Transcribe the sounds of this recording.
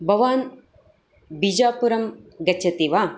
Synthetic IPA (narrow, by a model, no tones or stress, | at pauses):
bʱɐʋaːn | bid͡ʒaːpuɾɐmɡɐt͡ʃʰɐt̪iʋaː